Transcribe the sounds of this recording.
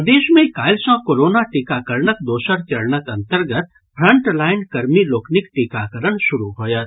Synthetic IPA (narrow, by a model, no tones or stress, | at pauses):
d̪eːʃmẽkaːɪlsãkoːɾoːnaʈɪkakəɾnəkd̪oːʃəɾt͡ʃɐɽnəkɐ̃nt̪əɾɡət̪̚ | pʰɾɐ̃ɳʈlaːɪnkɐɾmiloːkʰnɪkʈɪkaːkəɾəɳʃʊɾuɦoːjət̪